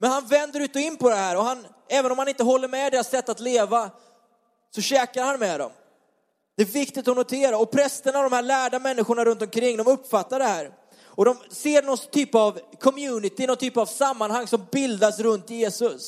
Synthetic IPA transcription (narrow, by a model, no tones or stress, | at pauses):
mɛnhanvɛnd̪əɾʉ̟ːt̪ɔɪnːpɔd̪ɛhæːɾɔɦan | ɛːvənɔmhanɪnt̪əɦɔlːəɾmɛd̪ɛːɾasɛt̪ːat̪leːva | sɔɕɛːkaɾhanmɛd̪ɔ̰m | d̪̥ɛːɾvɪkt̪ɪt̪t̪ːɔnʊt̪ʰeːɾaɾɔpʰɾɛst̪əɳaɔvd̪ɔmhæːɭæːɖamɛnːɪɧʊɳaɾɵnt̪ɔmkʰɾɪŋːd̪ɔmɵpːfat̪ːaɖɛhæːɾ | ɔd̪ɔmseːɾɳɔnt̪ʰyːpavkʰɔmjʉ̟ːnɪt̪ɪnɔnt̪t̪ʰːyːpavsamːanhaŋːsɔmbɪld̪asɾɵnt̪jeːsɵs